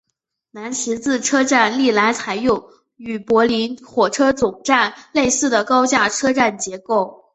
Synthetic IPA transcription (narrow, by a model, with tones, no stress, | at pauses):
na˧˥nɕʰi˧˥t͡sɹ̩˥˩ʈ͡ʂʰɤ˥ʈ͡ʂa˥˧nli˥˩la˧˥ɪt͡sʰa˨˩ɪjʊ˥˩ŋ | y˨˩pwɔ˧˥li˧˥nxwɔ˨˩ʈ͡ʂʰɤ˥t͡sʊ˨˩ŋʈ͡ʂa˥˧nle˥˧ɪsɹ̩˥˩d̪ə˩kɑ˥ʊt͡ɕja˥˩ʈ͡ʂʰɤ˥ʈ͡ʂa˥˩nt͡ɕjɛ˧˥ko˥˩ʊ